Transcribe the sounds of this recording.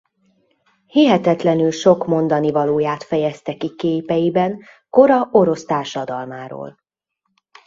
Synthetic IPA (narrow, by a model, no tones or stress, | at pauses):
hiɦɛt̪ɛt̪lɛnylʃo̞kmo̞nd̪ɒnivɒloːjaːt̪fɛjɛst̪ɛkikeːpɛjibɛnko̞ɾɒʔoɾo̞st̪aːrʃɒd̪ɒlmaːɾo̰ːl